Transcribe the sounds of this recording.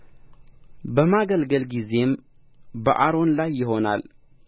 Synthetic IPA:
bəmaɡəlɡəlɡize̞m | bəʔaɾo̞nlajːɪɦo̞na̰l

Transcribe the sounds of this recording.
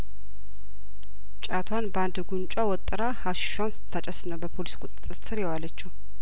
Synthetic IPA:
t͡ʃʼat̪ʰwanband̪ɡunt͡ʃʼawɔt̪ʼːɨɾahaʃɪ̥ʃansɨ̥t̪ʰːat͡ʃʼɛsnəwbəpʰoliskʼʊt̪ʼt̪ʼːɨɾsɨɾjɛwalət͡ʃːɛw

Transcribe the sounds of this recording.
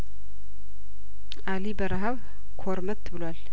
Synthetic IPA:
ʔalibəɾaɦaβ | kʰoɾmət̪ʰːbɨlwal

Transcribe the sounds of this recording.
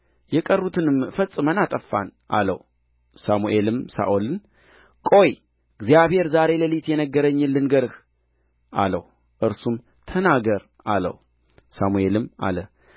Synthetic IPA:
jɛkʼərːut̪ʰɨnɨmfəsʼɨmənat̪ʼəfːa̰nʔa̰lə̰w | samuʔe̞lɨmsa̰ʔolɨn | kʼo̞j | ɡzijaβhe̞ɾzaɾe̞ləlit̪jɛnəɡːəɾəɲːɨlːɨnɡəɾɨh | ʔa̰lə̰h | ʔɨɾsum | t̪ʰənaɡəɾ | ʔa̰lə̰h | samue̞lɨma̰lə

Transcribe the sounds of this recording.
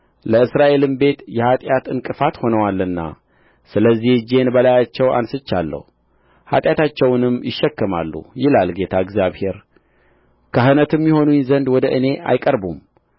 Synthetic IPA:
ləɨsɾaʔe̞lɨmbe̞t̪jɛhat̪ʼjat̪ɨŋkʼɨfat̪ho̞nəwalːɨnːa̰ | sɨləzːihd͡ʒe̞nbəlajat͡ʃːɛwa̰nsɨt͡ʃːa̰lːə̰h | ha̰t̪ʼjat̪at͡ʃːɛwnɨmjɪʃːɛkːɨma̰lːṵjɪlalɡe̞t̪ʰaɨɡzjaβhe̞ɾ | kʰaɦɨnət̪ɨmjɪho̞nujnzənd̪wɔd̪əʔɨne̞ʔa̰jkʼəɾbum

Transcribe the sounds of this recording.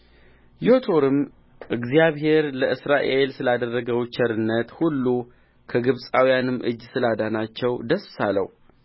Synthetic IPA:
jɪot̪ʰo̞ɾɨm | ʔɨɡzjaβɦe̞ɾləʔɨsɾaʔe̞lsɨlad̪ərːəɡəwt͡ʃʰɛɾɨnːət̪hulːu | kʰəɡɨβsʼawijanɨmːʔɨ̰d͡ʒːsɨlad̪anat͡ʃːɛwd̪əssalə̰w

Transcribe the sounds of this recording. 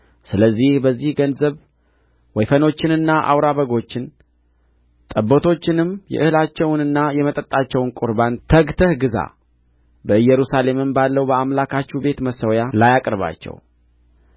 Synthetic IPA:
sɨləzːihbəzːihɡənzəβ | wɔjfəno̞t͡ʃːɪnɨnːaʔa̰wɾaβəɡo̞t͡ʃːɪn | t̪ʼəbːot̪ʰo̞t͡ʃːɪnɨmjɛ̰ʔɨhɨlat͡ʃːɛwnɨnːajɛmət̪ʼət̪ʼːat͡ʃːɛwʊnkʼʊɾbant̪ʰəɡt̪ʰəhɡɨza̰ | bəɨjɛɾusale̞mɨmbalːəwbəamlakat͡ʃːube̞t̪məsəwjalajakʼɾβa̰t͡ʃːɛ̰w

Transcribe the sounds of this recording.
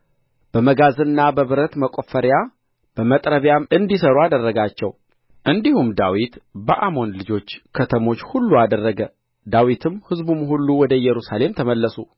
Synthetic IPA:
b̥əməɡazɨnːabəβɨɾət̪məkʼofəɾja | b̥əmət̪ʼɾəβjamɨnd̪isəɾuad̪ərːəɡat͡ʃːɛw | ʔɨnd̪ihumd̪awit̪bəʔamo̞nlɨd͡ʒo̞t͡ʃːkʰət̪ʰəmo̞t͡ʃːhulːuad̪ərːəɡə | d̪awit̪ʰɨmhɨzbumhulːuwɔd̪əjɛɾusale̞mt̪ʰəməlːəsu

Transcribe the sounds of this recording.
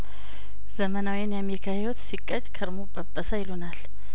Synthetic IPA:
z̥əmənawijnjameɾikʰahiwɔt̪sikʼːəd͡ʒkʰəɾmobʼəbːəsajɪlunal

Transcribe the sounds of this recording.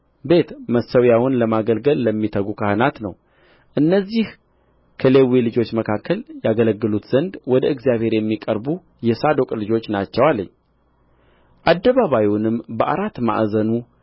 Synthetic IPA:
be̞t̪məsəwjawʊnləmaɡəlɡəlːəmːit̪ʰəɡukʰahɨnat̪nəw | ʔɨnːəzːih | kʰəlewilɨd͡ʒo̞t͡ʃːməkʰakʰːəljaɡələɡːɨlut̪z̥ənd̪wɔd̪əɨɡzjaβhe̞ɾjɛmːikʼəɾbu | jɛsad̪o̞kʼlɨd͡ʒo̞t͡ʃːnat͡ʃːɛwalːəɲː | ʔad̪ːəβaβawiwnɨmbəʔa̰ɾat̪ːma̰ʔzənu

